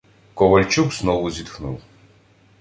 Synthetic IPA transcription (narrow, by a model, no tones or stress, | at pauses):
kʼɔvɐlʲt͡ʃuksnɔvuzʲit̪xnṵlˠ